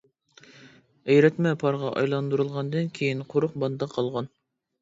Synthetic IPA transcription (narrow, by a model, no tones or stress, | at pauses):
ejɾɛt̪mɛpʰɑɾʁɑʔɑ̰jlˠɑnd̪uɾulˠʁɑnd̪ɨnkʲʰejinqʰoɾʊqbɑnd̪ɑqʰɑlˠʁɑn